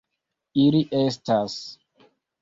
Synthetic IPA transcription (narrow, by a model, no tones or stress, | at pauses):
iliʔestas